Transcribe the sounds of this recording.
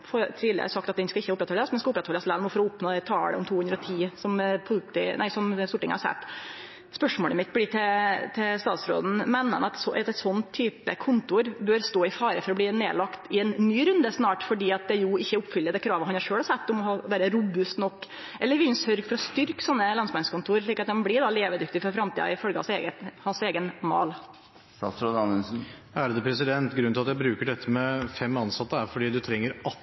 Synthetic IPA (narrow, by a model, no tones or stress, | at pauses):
fɔt̪ʰɾiːlə̰ə̰sɑk̚t̪ɑt̪d̪ɛnskɑɪçːəʊpːɾɛt̪hɔləsmɛnɛskɑʊpɾɛt̪hɔləslɛnmɔfɔɾɔʊpnoːd̪ɛt̪ʰɑːlə̰ɔmt̪ʰuːʉnd̪ɾəɔt̪ʰiːsɔmpʰɔpt̪ɪnæ̰ɪsɔmst̪uːʈɪŋə̰hɑsɛ̰t̪ː | spœʂmoːləmɪt̪̚ːbliːt̪ʰɛt̪ʰɛst̪ɑ̰ːt̪sɾo̰ːd̪n̩mɛnːəɑ̰nɑt̪sɔɛɛt̪sɔnːt̪ʰːyːpə̰kʰʊnt̪ʊɾbøːɾst̪oːɪfɑːɾəfɔɾɔbliːnḛːlɑkt̪ɪɛnːyːɾʉnd̪əsnɑːʈfɔɖiːɑt̪̚d̪ɛjʊɪçːəʊpːfʏlːəd̪ɛkʰɾɑːʋəhɑnhɑʂøːlhɑsæt̪ːɔmɔɦɑːʋæːɾəɾʊbʉst̪nɔkː | ʔɛlːəɾʋɪlnsœɾɡfɔɾɔst̪ʏɾksɔnːəlɑnsmɛnəskʊnt̪ʰuːɾəɾʂ̬ɭiːkɑt̪̚d̪ɛmblɪɖɑleːʋəd̪ʏk̚t̪ɪfɔɾfɾɑmt̪ḭːdɑ̰ɪfœlɡəɑsḛːɡəhɑnseːɡənmɑ̰ːl | ɑsɾod̪ɑnɛnsn̩ | æɾd̪ɛpʰɾɛs̬ɪd̪ɛnt̪ɡɾʉnɪlɑt̪jæɪbɾʉːkəɖɛt̪ʰːəmɛfɛmːɑnsɑt̪ːəæɾfɔɖiːd̪ʉt̪ʰɾɛŋːəɾɑ